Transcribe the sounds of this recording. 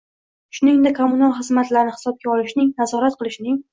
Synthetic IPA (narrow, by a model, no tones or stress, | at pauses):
ʃʊnɪŋd̪ekʰːomʊnalˠχɨzmat̪laɾnɪhɪ̥sɒb̚ɡʲaɒlɪʃnɪŋnazɒɾat̪̚qʰɨlˠɪʃnɪŋ